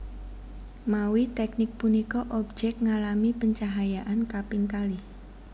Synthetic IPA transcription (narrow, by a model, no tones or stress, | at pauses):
mawit̪ɛk̚nɪk̚punikɔʔɔb̚d͡ʒɛk̚ŋalamipəɲt͡ʃaɦajaʔankapiŋk̪alih